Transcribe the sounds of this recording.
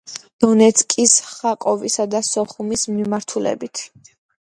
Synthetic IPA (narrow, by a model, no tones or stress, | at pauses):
d̪̥ɔnɛt̪sʰkʼisχakʼɔvisad̪asɔχumismimaɾt̪ʰulɛ̰bit̪ʰ